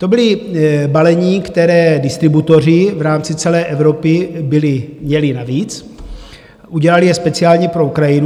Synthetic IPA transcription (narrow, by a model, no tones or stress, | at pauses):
t̪o̞bɪlɪbalɛɲikt̪ɛɾɛːdɪst̪ɾɪbut̪o̞r̝ɪvɾaːmt͡sɪt͡sɛlɛːʔɛvɾopɪbɪlɪmɲɛlɪnaviːt͡s | ʔuɟɛlalɪjɛspɛt͡sɪaːlɲɛpɾoukɾajɪnu